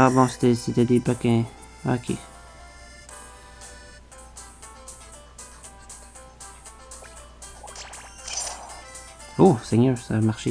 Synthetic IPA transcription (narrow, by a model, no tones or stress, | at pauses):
abɔ̃se̥t̪ɛset̪ɛd̪ebakɛ̃ | a̰kʰḛ | osɛɲœːʁsamaʁʃe